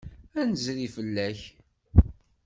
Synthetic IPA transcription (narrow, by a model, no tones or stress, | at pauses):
ænəzɾifəlːæç